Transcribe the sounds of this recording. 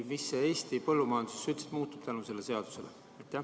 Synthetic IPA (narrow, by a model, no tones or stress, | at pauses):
misːeeːst̪ipɤlːumɑjɑnd̪̥usesːyt̪se̥t̪muːt̪ːˑub̥t̪ænuse̞lːese̞ɑd̪̥u̥se̞lḛ | ɑjt̪ːˑæ